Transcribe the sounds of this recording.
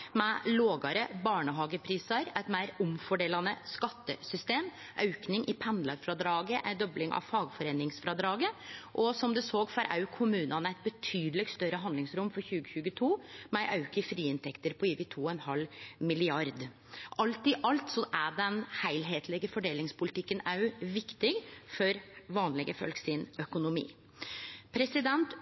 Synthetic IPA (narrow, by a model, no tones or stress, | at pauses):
mɛloːɡɑɾəbɑːɳəɦɑːɡəpʰɾiːsɑɾæɪt̪mæɪɾʊmfɔɖeːlɑnəskɑt̪ːəsʏst̪eːm | ʔɑʉknɪŋʔɪpʰɛnlɑɾfɾɑd̪ɾɑːɡəʔæɪd̪ɔblɪŋʔɑ̰ʋfɑːɡfɔɾeːnɪŋsfɾɑd̪ɾɑːɡəʔɔsɔmd̪ʉsoːɡfɑɾʔɑ̰ʉkʰːʊmʉːnɑnəæɪt̪̚bət̪ʰyːd̪lɪɡst̪œɾəɦɑnd̪lɪŋsɾʊmfɔɾçʉːɡəçʉːɡət̪ʰuːmɛʔɑʉkəfɾiːɪnt̪ʰɛkt̪əɾpʰɔiːʋɪːt̪ʰuːɛnhɑlmɪlɪɑɾd̪ | ʔɑlt̪ɪʔɑlt̪sɔʔæɖɛnhæɪlɦeːt̪ʰlɪɡəfɔɖeːlɪŋspʰʊlɪt̪ʰɪkːənɑʉʋɪkt̪ɪɡfɔɾʋɑːnlɪɡəfœ̰lksɪnœkʊnʊmḭː | pʰɾɛsɪd̪ɛnt̪